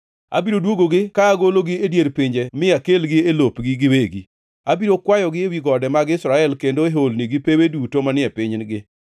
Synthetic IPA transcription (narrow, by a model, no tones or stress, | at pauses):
a̰biɾodwoɡoɡɪkaːɡoloɡɪedjeɾpɪɲd͡ʒemɪakelɡɪelopɡɪɡɪweɡḭ | abiɾokwajɔɡɪewiɡɔdɛmaɡɪsɾaɛlkendoeɦolniɡɪpewedutomanɪɛpɪɲnɡɪ